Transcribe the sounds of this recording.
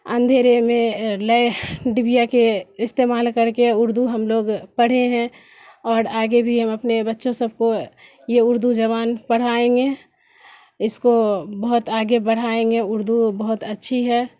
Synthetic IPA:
ə̰̃nd̪ʱeːɾemẽləjɖɪbijakeɪst̪eːmaːlkəɾkeʊɾd̪uɦɐmloːɡpɐɽ̤eɦɛ̃ | ɔːɾaːɡebʱiɦɐmɐpnebətːʃʰõsəb̚ko | jeʊɾd̪ud͡ʒɐβaːnpəɽ̤aːẽɡe | ɪskobɐɦʊt̪aːɡebəɽ̤aːẽːŋɡeʊɾd̪ubɐɦʊt̪ətːʃʰiɦɛː

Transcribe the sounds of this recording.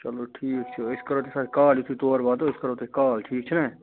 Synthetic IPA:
t͡ʃɐloːʈʰiːkt͡ʃʰeɪskəɾot̪esaːt̪kaːljʊt̪ʰit̪oːɾʋaːd̪oːɪskəɾoːt̪ekaːlʈʰiːk̚t͡ʃʰənaː

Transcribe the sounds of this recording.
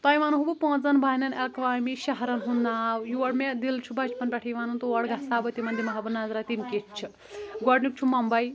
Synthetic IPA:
t̪ɐjʋanuɦubupɔ̃ːt͡sɐnbʱaːnɐnelkʋaːmiʃɐɦɾɐnɦunːaːwjuʋɐɽmed̪ilt͡ʃʰubɐt͡ʃpɐnpʲɛʈʰijʋaːnunt̪uʋɐɽɡasaːbɐt̪imɐnd̪imɐɦabɐnːaːzɾat̪inket͡ʃt͡ʃʰi | ɡɔɽnik̚t͡ʃʰumɐmbɐj

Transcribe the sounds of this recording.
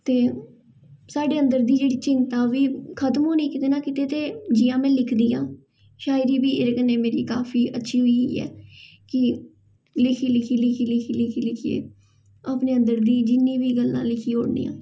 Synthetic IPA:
t̪eː | saːɖeːənd̪əɾd̪iːd͡ʒeːɽiːt͡ʃɪnt̪aːʋiːkʰət̪mɦoːnĩːkɪt̪eːnaːkɪt̪eːt̪eːd͡ʒɪːãːmɛ̃ːlɪkʰd̪iːã̰ː | ʃaːjɪd͡ʒiːbiːɪɾkənːeːmeːɾḭːkaːfʰiːʔətːʃʰiːɦʊiːɛ̰ː | kɪ | lɪkʰiːlɪkʰiːlɪkʰiːlɪkʰiːlɪkʰiːlɪkʰiḛː | aːpneːə̃nd̪əɾd̪iːd͡ʒɪnːĩːʋiːɡəlːã̰ːlɪkʰiːoːɽnḭːjã̰ː

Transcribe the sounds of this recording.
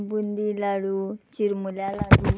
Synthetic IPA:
bund̪ilaɽut͡ʃiɾmuljalaɽu

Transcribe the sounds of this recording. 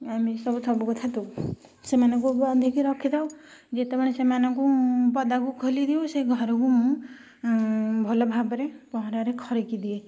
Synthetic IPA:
amĩsɔbusɔbukut̪ʰat̪usemanɔ̃ŋkuɔd̪ʱikiɾɔkʰid̪ʰawd͡ʒet̪emaɽ̃esemanɔŋkupɔd̪akukʰolid̪iõseɡʱɔɾɔkumũ | bʱɔlɔbʱabɔɾepɔɦɔɾaɾekʰɔɾekid̪ie

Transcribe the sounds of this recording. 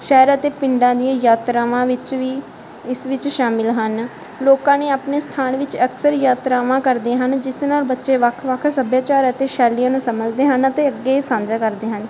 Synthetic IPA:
ʃɛːɾət̪eːpɪɳɖãːd̪ijãːjaːt̪ɾaːʋãːʋɪt͡ʃʋiː | ɪsʋɪt͡ʃʃaːmɪlɦən | loːkãːneːaːpneːst̪ʰaːnʋɪt͡ʃəksəɾjaːt̪ɾaːʋãːkəɾd̪eːɦənd͡ʒɪsnaːlbətːʃeːʋəkʰʋəkʰsəbjaːt͡ʃaːɾət̪eːʃɛːlijãːnũːsəməd͡ʒd̪eːɦənət̪eːəɡːeːsãːnd͡ʒaːkəɾd̪eːɦən

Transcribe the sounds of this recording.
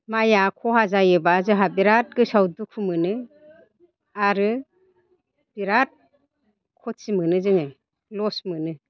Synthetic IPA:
majakʰɔɦazajɯbazɯɦabiɾat̚ɡɯsawdukʰumɯnɯ | aɾɯ | b̥iɾat̚ | kʰɔsimɯnɯzɯŋɯ | lɔsmɯnɯ

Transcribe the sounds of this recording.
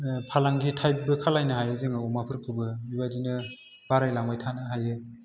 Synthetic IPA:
pʰalaŋɡitʰajp̚bɯkʰalajnɯhajɯzɯŋɯɔmapʰɯɾkʰɯbɯibadinɯ | b̥aɾajlaŋbajtʰanɯɦajɯ

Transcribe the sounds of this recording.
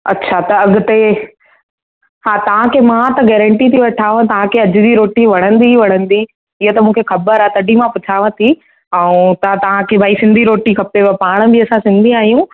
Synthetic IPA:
ɐtːɕʰat̪ɐɐɠʊt̪e | haːt̪ɐʋ̤ãkʰeːmãt̪ɐɡɛːɾə̃ɳʈit̪ʰiʋɐʈʰaːʋə̃t̪ɐʋ̤ãkʰeɐd͡ʑɪd͡ʑiɾoːʈiʋɐɽ̃ə̃nd̪iʋɐɽ̃ə̃n̆d̪i | ɪɦet̪ɐmũːkʰexɐbəɾaːt̪ɐɖimãpʊt͡ɕʰaːʋə̃t̪ʰi | ɐũt̪ɐãt̪ɐʋ̤ãkʰeːbʱaːisɪ̃nd̪ʱiɾoːʈikʰɐpeʋpaːɽ̃ə̆bɪɐsãsɪ̃nd̪ʱiaːɦijũ

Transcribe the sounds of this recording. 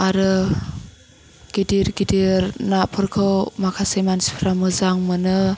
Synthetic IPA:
aɾɯ | ɡ̥idiɾɡidiɾnapʰɯɾkʰɯwmakʰasejmansi̥pʰɾamɯzaŋmɯnɯ

